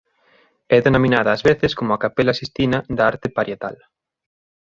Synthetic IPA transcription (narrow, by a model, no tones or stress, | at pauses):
ɛðenomĩnaðɐːzβeθɪskomʊakapelasist̪inɐðaaɾt̪ɪpaɾjet̪a̰l